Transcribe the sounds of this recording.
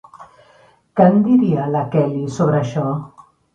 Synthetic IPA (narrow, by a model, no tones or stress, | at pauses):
kand̪iɾialakɛlisoβɾaʃɔ